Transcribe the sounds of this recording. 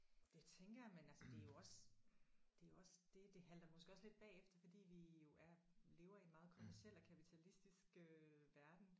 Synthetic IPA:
d̥e̝t͡sʰeŋɡ̥ɐjamenælsəd̥e̝æjo̝ɒ̽s | d̥e̝jo̝ɒ̽sd̥e̝d̥e̝ɦæld̥ɐmɒ̽sɡ̥əɒsle̝d̥̚b̥ɛ̰ːefd̥ɐfɒ̽d̥ḭːʋijo̝ʔæɐle̝ːʊɐinmɑ̈ːð̞ˠkʰɒ̝mæɐsiel̰ɒkʰæpʰit͡sʰælisd̥isɡ̥øʋæɐd̥n̩

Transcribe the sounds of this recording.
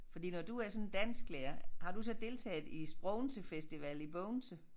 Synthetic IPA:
fɒ̽d̥ḭːnɒd̥uæɐsɒ̽nn̩d̥æn̰sɡ̥lɛːɐhɑ̈d̥usɒ̽d̥e̝lt͡sʰɛ̰ːð̩ˠisb̥ʁɔʊnsəfesd̥iʋɛlib̥ɔʊnsə

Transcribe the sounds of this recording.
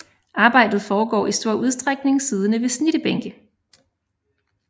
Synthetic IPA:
ʔɑ̈ːb̥ɑ̈ɪ̰d̥ð̞̩ˠfɒːɡ̥ɒ̰ːisd̥o̝ɐ̰ʔuð̞ˠsd̥ʁaɡ̥ne̝ŋsiːð̞ˠənəʋe̝sniɾ̥əb̥eŋɡ̥ə

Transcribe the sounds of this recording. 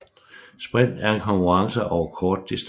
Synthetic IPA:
sb̥ʁɛn̰d̥æɐe̝nkʰɒ̽ŋkʰuʁɑ̈ŋsəʔɒʊɐkʰɒːd̥ːisd̥

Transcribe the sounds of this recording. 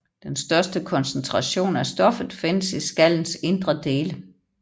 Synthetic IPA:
d̥ensd̥ɶɐsd̥əkʰɒ̽nsnt͡sʰʁɑ̈ɕo̝̰ːnæsd̥ɒ̽fð̩ˠfe̝n̰əsisɡ̥æl̰n̩se̝nd̥ʁɐd̥e̝ːlə

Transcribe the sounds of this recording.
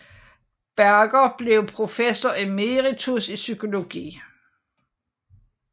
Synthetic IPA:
b̥æɐɡ̥ɐb̥le̝ʊpʰʁo̝fesɐeme̝ʁit͡sʰusisykʰo̝lo̝ɡ̥ḭː

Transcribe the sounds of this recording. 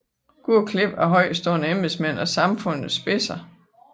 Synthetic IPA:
ɡ̥uɐ̰kʰle̝b̥æɦɒ̽ɪ̰sd̥ɔɐnəemesmen̰ɒ̽sɑ̈mfɔ̽n̰ð̩ˠsb̥e̝sɐ

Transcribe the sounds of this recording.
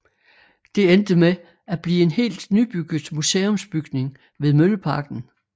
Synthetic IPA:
d̥e̝end̥əme | æb̥lḭːe̝nhe̝̰ːld̥nyb̥yɡ̥ð̩ˠmuseːɔ̽msb̥yɡ̥ne̝ŋ | ʋe̝ðˠmøləpʰɑ̈ɡ̥n̩

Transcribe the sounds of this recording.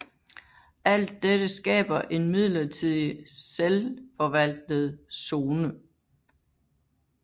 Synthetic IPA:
ʔæl̰d̥ːeɾ̥əsɡ̥ɛ̰ːb̥ɐʔe̝nmið̰ˠlɐt͡sʰið̰ˠiselfɒ̽ʋæl̰d̥ð̞̩ˠso̝ːnə

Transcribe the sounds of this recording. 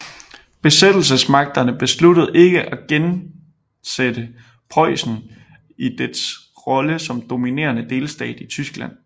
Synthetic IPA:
b̥e̝sed̥l̩səsmɑ̈ɡ̥̚d̥ɐnəb̥e̝slud̥ð̞̩ˠe̝ɡ̥əʔæɡ̥en | sed̥ə | pʰɒɪ̰sn̩ | id̥eds | ʁɒ̽ləsɒ̽md̥o̝mine̝̰ːɐnəd̥e̝ːlsd̥ɛ̰ːd̥it͡sʰysɡ̥læn̰

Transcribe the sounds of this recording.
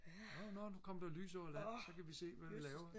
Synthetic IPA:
nonɒnukʰɒ̽m̰d̥ɑly̰ːs̬ɒ̰ɐlænsɒ̽kæʋise̝̰ːʋæilɛːʊɐ

